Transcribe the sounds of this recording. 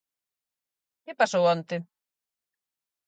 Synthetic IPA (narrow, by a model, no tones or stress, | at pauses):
kɪpasowɔnt̪ɪ